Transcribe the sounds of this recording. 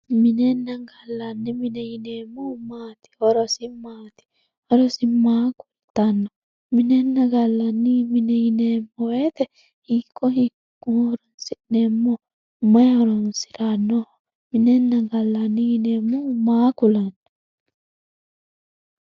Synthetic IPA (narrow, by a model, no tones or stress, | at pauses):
mɪnɛnːɐɡɐlːɐnːimɪnɛjɪneːmːɔmaːt̪i̥hɔɾɔsɪmaːt̪i̥ | hɔɾɔsɪmaːkʊlt̪ɐnːɔ | mɪnɛnːɐɡɐlːɐnːimɪnɛɪnemːɔweːt̪ɛ | hikːɔɦikː | uɔɾɔnsɪʔnemːɔ | mɐjɔɾɔnsɪ̥ɾanːɔ | mɪnɛnːɐɡɐlːɐnːijɪneːmːɔmaːkʊlɐnːɐ